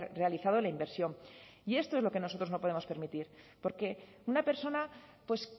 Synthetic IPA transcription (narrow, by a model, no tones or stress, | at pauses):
re̞aliθað̞oelaimbe̞ɾsjo̞mie̞st̪oezloke̞no̞sot̪ɾo̞zno̞po̞ðe̞mo̞spe̞ɾmit̪iɾ | po̞ɾke̞ | unape̞ɾso̞napwe̞s